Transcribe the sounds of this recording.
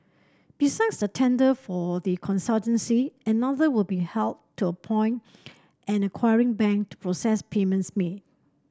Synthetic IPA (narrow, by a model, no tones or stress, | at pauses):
b̥isãksdətʰɛ̃ndəfɔðikʰɔ̃nsaltə̃nsiənaðəwɪlbihɛltʰːuəpʰɔ̃ɪ̃nt | ʔɛ̃nəkʰwaɪɹɪ̃ŋbɛ̃ŋk̚tu̥pʰɹosɛspʰemə̃ntsmed̚